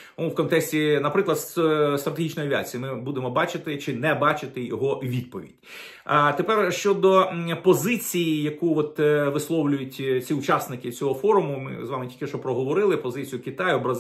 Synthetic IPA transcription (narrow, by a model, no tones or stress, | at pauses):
ʋwkɔnt̪ɛksʲtʲinɐpɾɪklˠɐd̪st̪ɾɐt̪eɦit͡ʃnɔjɐʋʲia̰t͡sʲijimɪbud̪emɔbɑt͡ʃɪt̪ɪt͡ʃɪnɛbɑt͡ʃɪt̪ɪjɔɦɔʋʲid̪̚pɔʋʲḭd̥ʲ | t̪epɛrʃt͡ʃɔd̪ɔpɔzɪt͡sʲijijɐkuɔt̪ʋɪslˠɔwlʲʊjʊtʲt͡sʲiʊt͡ʃɑsnɪkɪt͡sʲɔɦɔfɔɾʊmʊmɪ̰zʋɑmɪtʲilʲkʲɪʃt͡ʃɔpɾɔɦɔʋɔɾɪlˠɪpɔzɪt͡sʲijʊkʲit̪ɑjɔbɾɐz